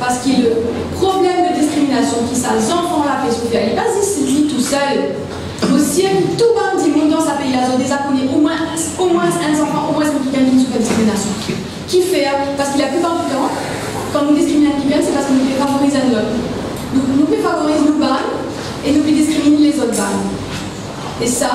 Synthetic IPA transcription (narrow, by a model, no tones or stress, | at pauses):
paʁsə̥kilɛlə | pχɔblɛmd̪əd̪iskχiminasjɔ̃kʲisazɑ̃fɑ̃lapɛsufɛʁɛlɛpad̪isid̪it̪usœl | osiɛ̃t̪uband̪imɔ̃d̪ɑ̃sapɛjlazot̪̚d̪eʒakoneʔomwɛ̃omwɛ̃ɛ̃sɑ̃fwãʔomwɛ̃sɔ̃pikɛ̃d̪yns̬ũkɛ̃d̪iskχiminasjɔ̃ | kʲifɛʁpaʁsə̥kilapypãʁd̪ifeʁɑ̃ | kɑ̃nud̪iskχiminasɔ̃ibɛ̃nsɛpaʁsəkɔ̃nufɛfavɔʁizɛ̃nɔm | d̪ɔ̃knufɛfavɔʁiznoban | enufɛd̪iskχiminelezot̪χbaɲ | esa